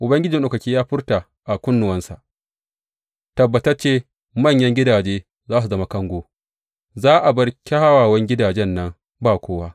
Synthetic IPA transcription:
ʔʊ˨bɐ˦ŋɡʲɪ˦d͡ʒɪ˨nɗoː˨kɐ˨kʲiː˦jaː˦ɸɪ˦rta˨ | ʔa˨kʷʊ˦nːʊ˨wɐ˦nsa̰˨ʔ | tɐ˨bːɐ˨tɐ˦t͡ʃeː˦ | mɐ˦˨ɲjɐ˦ŋɡʲɪ˦daː˨d͡ʒeː˦ | zaː˦s̬u˨zɐ˦ma˦kɐ˦ŋɡʷoː˦ | zaː˦ʔa˨bɐ˦ɽkʲa˦ha˦waː˨wɐ˦ŋɡʲɪ˦daː˨d͡ʒɛ˦nːɐ˦ŋ | baː˦˨kʷoː˦waː˦

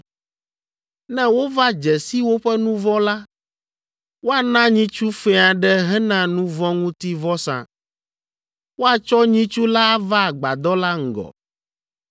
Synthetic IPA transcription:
nɛ̃˦wo˦va˦d͡ʒɛ˨si˦wo˦ɸɛ˦nũ˦vɔ̃˦la˦ | wo˦a˨nã˦ɲĩ˦t͡ʃu˦fɛ˦a˨ɖɛ˦ɦɛ˦nã˨nũ˦vɔ̃˦ŋũ˦t̪i˦vɔ˦sã̰˨ | wo˦a˨t͡ʃɔ˦ɲĩ˦t͡ʃu˦la˦a˦va˦˨ɡ͡ba̰˨d̪ɔ˦la˦ŋ̩˨ɡɔ̰˨

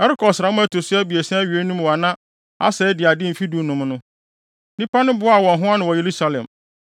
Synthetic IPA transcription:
ɛ˦ɾɪ˦kʰɔ˨sɾa˨mʊ̃˦æ˦tʰo˨sʊ˦æ˦bi˨e˨sɛ̃˦æ˦ɥi˨e˦nũ˦mwa˨nã˦ | a̰˦sɛː˨˦dɪ˨a˨dɪ˦m̩˨fi˦du˨nʊ̃˨m˦nʊ̃˦ | nĩ˦pa˦nʊ̃˦bʊ˦a˦˨wɔ̃˨nɦʊ̃˦a˦nʊ̃˨wɔ˨je˨ɾu˦sa˨lɛ̰̃˨m

